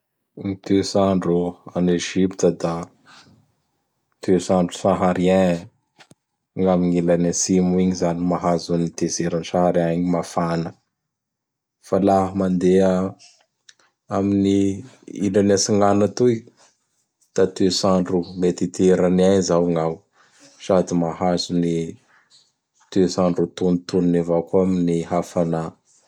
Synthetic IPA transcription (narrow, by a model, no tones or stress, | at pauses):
ŋit̪esaɳɖ͡ʐuaneʒipt̪əd̪a | t̪ʰesaɳɖ͡ʐusaɦaɾiɛ̃ | ŋamiŋilanasimuiɲizanimaɦazunit̪ezeɾansahaɾiaaɲimafanə | falaɦəmand̪ea | aminiḭlanasiŋɡanat̪ui | t̪at̪esaɳɖ͡ʐumet̪it̪eɾaniaɲizawŋaw | sad̪imahazuni | t̪esaɳɖ͡ʐut̪unt̪ununevakuaminihafana